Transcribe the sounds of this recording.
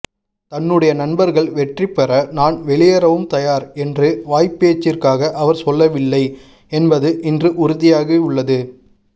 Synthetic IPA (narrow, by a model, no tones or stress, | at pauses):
t̪ɐnːɯɽɐjɐnɐnbɐɾɣɐɭʋɛʈripːɛrɐnaːnʋɛɭɪjɐɾɐʋɯmt̪ɐjaːɾɛndrɯʋaːjpeːt͡ʃːɪrkaːɣɐʔɐʋɐɾsɔlːɐʋɪlːɐɪ | ɛnbɐðɯʔɪndrɯʔʊɾʊðɪjaːɣeʊɭːɐðɯ